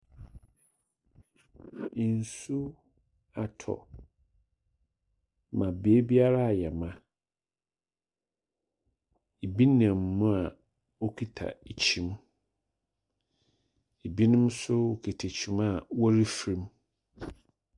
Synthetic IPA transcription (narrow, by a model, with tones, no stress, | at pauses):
n˨su˦ | a˨tʰɔ̰˨ | mã˨be˨˦bi˦a˦ɾa˦˨jɛ˨mã˦ | e˨bi˦nã˨mːũ˦a˨ | o˦kʰi˦tʰa̰˨e˨t͡ɕʰĩ˦m | e˨bi˦nʊ̃˦m˦sʊ˦o˨kʰi˨tʰe˨t͡ɕʰĩ˨ma˦wɔ˦ɾi˦fɾĩ˦m